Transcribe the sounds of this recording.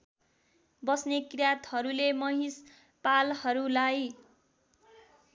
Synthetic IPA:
bʌsnekrjat̪hʌɾulemʌɦis | palhʌɾulaj

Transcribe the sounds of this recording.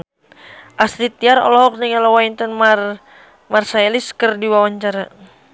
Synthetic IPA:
ʔasɾit̪̚iaɾɔ̰lɔɦɔk̚nəŋalɔwaint̪ənmar | marsaeliskərdiwawaɲt͡ʃaɾa

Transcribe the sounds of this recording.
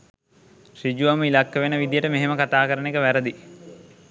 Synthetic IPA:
ʃid͡ʒuʋaməilakːəʋenəʋid̪ijəʈəmeɦeməkat̪aːkəɾənekəʋæɾəd̪i

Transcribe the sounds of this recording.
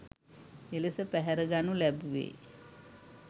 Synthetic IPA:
elesəpæɦæɾəɡanulæbuʋḛː

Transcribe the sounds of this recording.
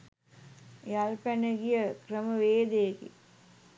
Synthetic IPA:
jalpænəɡijəkrəməʋeːd̪ejkḭ

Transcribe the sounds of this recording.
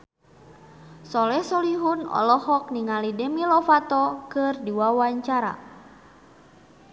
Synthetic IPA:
sɔlɛhsɔliɦunɔ̰lɔhɔk̚niŋalidɛmilɔfat̪ɔkɨrdiwawaɲt͡ʃaɾa̰

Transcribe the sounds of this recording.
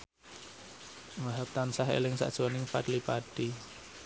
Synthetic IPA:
waɦap̚t̪ansaɦḛlɪŋsa̰ʔd̥ʒ̥anɪŋpadlipaɖ̥i

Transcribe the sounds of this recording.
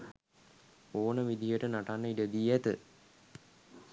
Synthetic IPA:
oːnəʋid̪ijəʈənaʈanːəiɖəd̪iːæt̪ə

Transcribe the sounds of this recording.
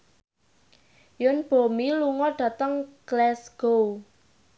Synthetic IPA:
jʊnb̥o̤miluŋɔɖ̥ä̤t̪əŋɡ̥lɛsɡ̥ow

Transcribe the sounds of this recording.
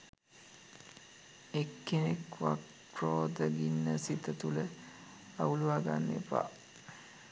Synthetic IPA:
ekːenekʋak | proːd̪əɡinːəsit̪ət̪ulə | auluʋaːɡanːḛpa̰

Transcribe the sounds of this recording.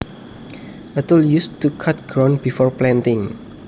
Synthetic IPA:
ʔət̪əljustukʰat̪̚ɡ̥ɹãnbifɔrplɛ̃ntɪ̃ŋ

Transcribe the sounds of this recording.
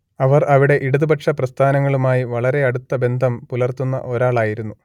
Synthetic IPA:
ɐʋɐrɐʋiɽe̞ʔiɽuðubɐʈʂɐprɐst̪ʰaːnɐŋːɐɭumaːjiʋɐɭɐɾe̞ɐɽut̪ːɐbe̞nd̪ʱɐmpulɐrt̪unːɐ̰ʔo̞ɾaːɭaːjiɾunːu

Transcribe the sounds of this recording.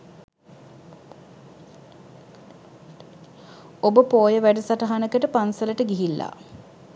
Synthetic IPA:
obəpoːjəʋæɖəsaʈəɦanəkəʈəpansələʈəɡiɦilːa̰

